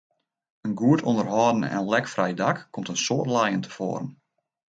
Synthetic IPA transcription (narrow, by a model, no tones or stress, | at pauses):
ənɡuətondərɦɔːdən̩ɛ̰nlɛkfrɛjdakːomtənsoərtlajəntʰə̥fo̰ːɾən